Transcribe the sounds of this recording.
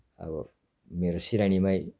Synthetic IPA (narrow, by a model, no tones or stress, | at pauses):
a̰bɔ̰ | meɾusiɾañimaj